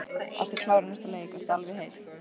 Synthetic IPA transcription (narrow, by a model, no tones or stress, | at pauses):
a̰ft̪ɪkʰlawɾɪnɛst̪aleːjɪkvɛst̪alvɪɦeːjs